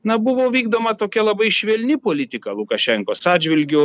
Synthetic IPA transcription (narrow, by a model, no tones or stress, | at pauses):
nɐbʊʋoːʋʲiːɡd̪oːmɐt̪oːkʲɛlˠɐbɐɪʃʲʋʲeːlʲnʲɪpoːlʲɪt̪ʲɪkɐlˠʊkɐʃʲɛŋkoːsɑːdd͡ʒʲʋʲɪlʲɡʲoː